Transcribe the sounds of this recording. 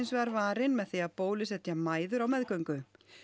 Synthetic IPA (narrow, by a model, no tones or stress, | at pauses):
jnsvɛɣaɾvaːɾɪnmɛðθejaðpoːwlɪsɛht̪ːjamaːjðʏɾawmɛðkœɥŋkʏ